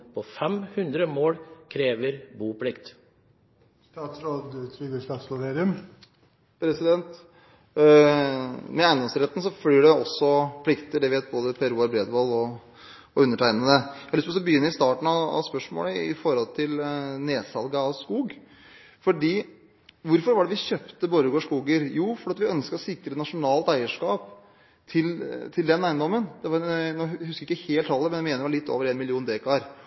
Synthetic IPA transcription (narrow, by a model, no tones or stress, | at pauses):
pʰɔfɛmhʉnd̪ɾəmoːɽkʰɾeːʋəɾbuːpʰlɪkt̪ | st̪ɑːt̪sɾoːd̪t̪ʰɾyːɡəst̪ɑt̪slʊɾeːɾɪʉm | pʰɾɛsɪd̪ɛnt̪ | mɛæɪnd̪ɔmsɾɛt̪ːn̩sɔfliːɖɛɔsːɔpʰlɪkt̪əɖɛʋɪeːt̪̚boːd̪əpʰæɾuːæɾbɾeːd̪ʋɔlɔ | ɔʉnːəʈʰæɪnənəhɪlstpʰɔsɔbəjʏnːəɾɪst̪ɑːʈɳ̩ɑɑ̰ʋspœʂmo̰ːləɪ̰fɔɾhɔlt̪ʰɪlneːsɑlɡɑɑskuːɡ | fɔɖiː | ʋʊɾfɔɾʋɑɖɛʋɪɕøpt̪əboːɾəɡoːʂkuːɡəɾjuːfɔɾɖɑt̪ʋɪœnskəɔsɪk̪̚ɾət̪nɑʂʊnɑːlt̪æɪəʂkɑːp | t̪ʰɪlt̪ʰɪld̪ɛnːæɪnd̪ɔmːənd̪̥ɛʋɑɾnuːhʉskəɾɪkːəheːlt̪ʰɑlːəmɛnɛmeːnəɾʋɑlɪt̪ʰːo̰ːʋəɾeːnmɪlɪuːnd̪eːkɑɾ